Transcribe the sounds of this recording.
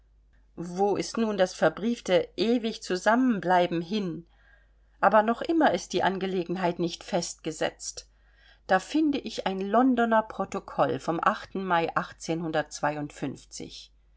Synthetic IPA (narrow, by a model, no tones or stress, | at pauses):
voːʔɪstnuːndasfɛɐbʁiːftəʔeːvɪçt͡suzamənblaɪbm̩ɦɪn | ʔaːbɐnɔχʔɪmɐɪst̚d̥iːʔanɡəleːɡŋ̩ɦaɪtnɪçtfɛst̚ɡ̥əzɛ̰t͡st | d̥aːfɪndəʔɪçʔaɪnlɔndɔnɐpʁ̥otokʰɔlfɔmʔaχtn̩maɪʔaχt͡seːnhʊndɐt̚t͡sv̥aɪʊntfʏnft͡sɪ̰ç